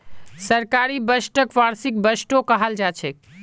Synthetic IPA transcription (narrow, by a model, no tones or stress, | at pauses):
səɾkaɾibəsʈəkʋaɾsik̚bəsʈokəɦəld͡ʒat͡ʃʰɛ